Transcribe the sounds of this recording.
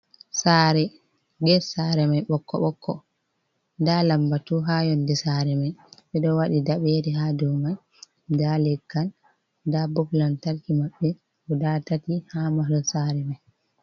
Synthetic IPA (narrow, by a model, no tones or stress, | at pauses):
saɾɛ | ɡɛsaɾɛmajɓɔkʰːɔ̰ɓɔkʰːɔ̰ | dalambatuɦajɔndɛsaɾɛmajɓɛɗɔwaɗidaɓɛɾɛɦadɔmaj | dalɛkːan | dabɔplantaɾkimaɓːɛ | ɓɔdatatihamalɔsaɾɛmaj